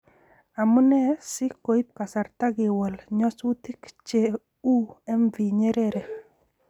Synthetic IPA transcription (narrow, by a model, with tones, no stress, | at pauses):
a˨mʊ˦nɛ˦sɪ˦ko˨i˦p̚ka˨sa˨ɾt̪a˦ɡɪ˨wɔ˨lɲɔ˦swu˦t̪i˦kt͡ʃe˨ | u˦ɛ˦mvi˨ɲe˦ɾe˦ɾe˨